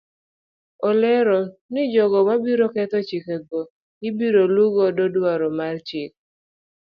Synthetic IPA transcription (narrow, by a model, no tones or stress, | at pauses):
ɔlɛɾɔnɪd͡ʒɔɡɔmabiɾokɛt̪ɔt͡ʃikeɡo | ɪbiɾoluɡɔdodwaɾɔmart͡ʃɪk̚